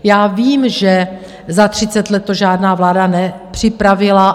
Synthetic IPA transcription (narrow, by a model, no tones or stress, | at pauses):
jaːviːmʒɛ | zat̪r̥ɪtt͡sɛt̪lɛt̪ːoʒaːdnaːvlaːdanɛpr̝̥ɪpɾavɪla